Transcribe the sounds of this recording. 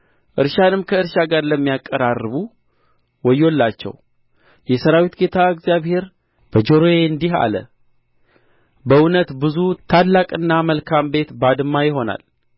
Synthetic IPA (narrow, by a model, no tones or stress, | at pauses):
ʔɨɾʃanɨmkʰəɨɾʃaɡaɾləmːijakʼːəɾarːɨβu | wɔjolːat͡ʃːɛ̰w | jɛsəɾawit̪ɡe̞t̪ʰaɨɡzijaβhe̞ɾ | b̥əd͡ʒoɾojeɨnd̪iɦa̰lə̰ | bəunət̪bɨzut̪ʰalːakʼɨnːaməlkʰambe̞t̪bad̪ɨmːajɪɦo̞na̰l